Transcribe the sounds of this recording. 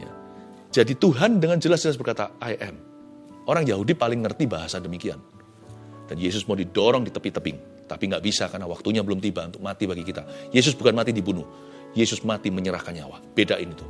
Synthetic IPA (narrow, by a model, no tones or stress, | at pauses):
ja̰ | d͡ʒadit̪uɦandəŋand͡ʒəlasd͡ʒəlas̬bərkat̪a̰ajʔɛm | oɾaŋjaɦudipalɪŋːərt̪ibaɦasadəmikia̰n | d̥anjes̬ʊsmaudidɔɾɔŋdit̪əpɪt̪əpɪŋ | t̪apiŋɡaʔbisakarnawak̚t̪uɲabəlʊmt̪ibaʔunt̪ʊk̚mat̪ibaɡikit̪ajes̬ʊs̬bukanmat̪idibunʊh | jesʊsmat̪iməɲəɾa̰hkanɲa̰wa̰b̥edaʔinit̪u̥